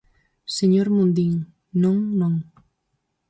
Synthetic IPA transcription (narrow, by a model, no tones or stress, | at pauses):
seɲoɾmũnd̪iŋ | nõŋnõŋ